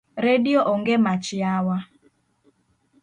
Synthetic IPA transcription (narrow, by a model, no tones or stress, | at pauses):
ɾedioʔɔŋɡemat͡ʃɪawa